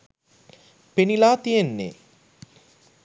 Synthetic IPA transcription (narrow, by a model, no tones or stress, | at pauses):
penilaːt̪ijenːḛ